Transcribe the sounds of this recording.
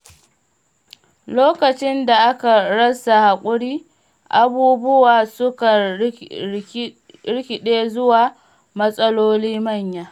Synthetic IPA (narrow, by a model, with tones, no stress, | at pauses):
loː˦kɐ˨t͡ʃɪ˦nda˨ʔa˦ka˨ɽɐ˦sa˨ha˨kʷʼʊ˦ɽiː˦ | ʔa˨buː˦bʊ˦waː˨sʊ˦ka˨ | ɽɪ˦kʲɪ˨ɗeː˦zʊ˦waː˨ | mɐ˦sʼɐ˦loː˦liː˦mɐ˦˨ɲjaː˦